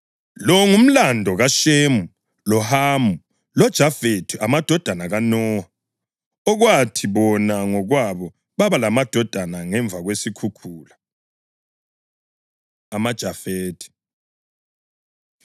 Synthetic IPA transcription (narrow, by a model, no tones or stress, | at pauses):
lɔŋum̩landʱɔɣaʃemu | lɔhaːmu | lɔd̥ʒ̥ʱafetʰiʔamad̥ʱɔd̥ʱanaɣanɔːha | ɔɣwatʰiβɔnaŋɔɣwaβɔ | βaβalamad̥ʱɔd̥ʱanaŋɛɱb̪vʱaɣwesikʰukʰuːla | amad̥ʒ̥ʱafeːtʰi̥